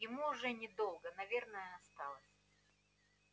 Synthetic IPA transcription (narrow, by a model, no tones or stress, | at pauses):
jɪmuʊʐɛnʲɪd̪o̞lˠɡənɐvʲe̞rnəjəɐst̪ɑlˠəsʲ